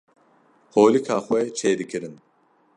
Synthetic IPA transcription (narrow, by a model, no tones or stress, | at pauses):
hoːlikʰaːxwɛt͡ʃʰeːd̪ɨkʰɨɾɨn